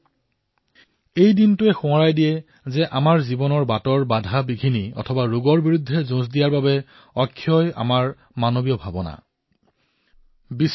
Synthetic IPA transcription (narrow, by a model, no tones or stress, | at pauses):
ejdintʊɛxʊ̃aɹajdijɛ | zɛʔamaɹzibɔnɔɹbatɔɹbadʱabiɡʱiniɔ̰tʰɔbaɹuɡɔɹbiɹudʱːɛzʊ̃zdijaɹbabɛ | ɔkʰːjɔja̰maɹ | manobijɔbʱabɔna̰ | bi